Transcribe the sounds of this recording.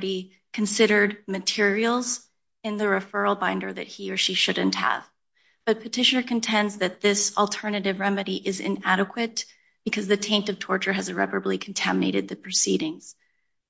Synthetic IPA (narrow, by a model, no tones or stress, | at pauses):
ɾi | kʰn̩sɪɾə˞d̚mɨtʰɪɹil̩ˠz | ɨ̃nðɨɹɨfɜ˞l̩ˠbãɪ̃ndə˞ðɨ̰t̚hiə˞ʃiʃʊdⁿn̩thə̰v̥ | b̥ʌt̚pʰɨtʰɪʃɨ̃nə˞kɨ̃n̩tʰɛ̃ndzðɨt̪̚ðɪsl̩ˠtʰɜ˞nɨɾɨvɹɛmɨɾiʔɪzɪ̰̃næɾɨkʰwɨt̚ | b̥ɨkʰʌzðɨtʰẽɪ̃ntʌv̥tʰɔɹt͡ʃə˞ɨzɨɹɛ̰pə˞əblikʰn̩tʰæmɨneɪɾɨd̪̚ðɨpʰɹ̥ɨsiɾɪ̃ŋz̥